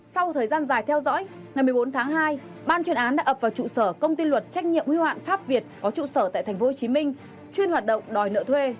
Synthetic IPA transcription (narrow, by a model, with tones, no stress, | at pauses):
sa˧wt̪ʰəː˨˩jzaː˧nzaː˨˩jt̪ʰɛ˧wzɔ̰˧˥j | ŋa˨˩jmɨ˨˩o˨˦nt̪ʰaː˨˦ŋɦaː˧j | ɓaː˧nt͡ɕwi˧˩ənʔaː˨˦nɗa̰ː˧˥ʔəː˨˩p̚vaː˨˩wt͡ɕṵ˧˨səː˧˩kə˧wŋ͡mt̪i˧lwə˨˩t̚t͡ɕa˦˥jk̟̚ɲḭ˧˨əmhi˧wa̰ː˧˨nfaː˦˥p̚vi˨˩ət̚kɔ˨˦t͡ɕṵ˧˨səː˧˩t̪a̰ː˧˨t̪ʰa˨˩jŋ̟fo˨˦ho˨˩t͡ɕi˨˦mï˧ŋ̟ | t͡ɕwi˧ənhwaː˨˩t̚ɗə̰˧˨wŋ͡mɗɔ˨˩jnə̰ː˧˨t̪ʰwe˧